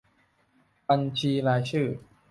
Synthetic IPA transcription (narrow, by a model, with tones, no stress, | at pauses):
ba˧nt͡ɕʰiː˧laː˧jt͡ɕʰɯː˥˩